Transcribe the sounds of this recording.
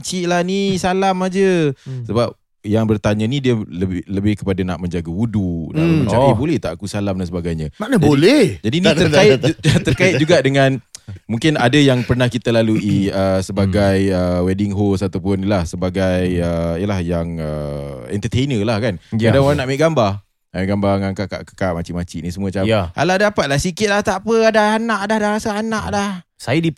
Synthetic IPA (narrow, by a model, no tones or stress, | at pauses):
ɲt͡ʃiʔlahnisalamad͡ʒəsəbap̚ | jaŋbərt̪aɲənidiələbɪləbɪhkə̥padanaʔmə̃ɲd͡ʒaɡaudunãmə̃t͡ʃaibolɛht̪aʔakusalamdansəbaɡajɲəmanəd͡ʒbaolɛhd͡ʒadinəraɪt̪ərkaɪt̪d͡ʒuɡaʔdəŋãnmũŋkɪnadəjaŋpərnahkit̪əlaluʔiəsəbaɡajəwɛdɪŋɦosat̪awpʊnilahsəbaɡajəiəlahjaŋəɛ̰nt̪ət̪ejnəlahkanadaŋoɾaŋnaʔmɛʔɡamba | ameʔɡambaŋaŋkaʔka̰ʔkḁkaʔmat͡ʃiʔmat͡ʃiʔnisəmuəat͡ʃama̰lahdapat̪̚lahsikɪt̪̚laht̪apəadahanaʔadahdahɾasaanaʔlahsajadi